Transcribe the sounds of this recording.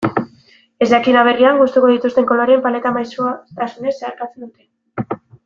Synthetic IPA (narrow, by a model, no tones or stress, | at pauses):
e̞zd̪akinaβ̞e̞riaŋɡust̪uko̞ðit̪ust̪e̞ŋko̞loɾiempale̞t̪amajsot̪asune̞seaɾkat͡se̞nd̪ut̪e̞